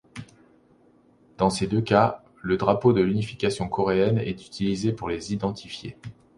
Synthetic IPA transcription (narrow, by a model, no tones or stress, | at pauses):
d̪̥ɑ̃sed̪øka | ləd̪ʁapod̪əlynifi̥kʲasjɔ̃kɔʁeɛnɛ̰t̪y̥t̪ʰilizepuʁlezid̪ɑ̃t̪ʰifjḛ